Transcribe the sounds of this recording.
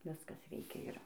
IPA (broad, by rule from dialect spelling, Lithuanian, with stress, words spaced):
ˈʋʲɪskɐs ˈʋʲɛɪkʲɛ ˈɪr